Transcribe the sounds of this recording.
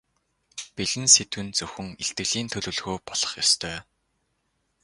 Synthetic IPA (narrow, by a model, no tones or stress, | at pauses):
piɮɘ̆nset̪wɘ̆nt͡sɵxɵ̆ŋeɬt̪ɡɘ̆ɣɮiːnt̪ʰɵɮɵ̆ːɮɣoːpɔɮ̥ɞ̥̆χjɔst̪ʰœː